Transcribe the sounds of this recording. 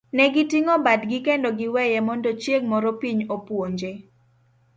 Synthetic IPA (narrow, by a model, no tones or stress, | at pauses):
nɛɡitiŋɔbadɡɪkendɔɡɪwɛjɛmɔndɔt͡ʃjeɡmɔɾɔpiɲopwoɲd͡ʒe